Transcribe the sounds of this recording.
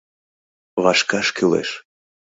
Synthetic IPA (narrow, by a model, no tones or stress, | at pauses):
βɑʃkɑʃkʰylḛʃ